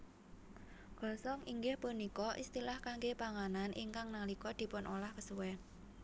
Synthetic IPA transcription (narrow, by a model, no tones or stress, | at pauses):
ɡ̥ɔ̤sɔŋiŋɡɪhpunikɔʔḭst̪ilahkaŋɡepaŋananʔḭŋkaŋnalikɔd̪̥i̤pʊnʔolahkəsuwɛ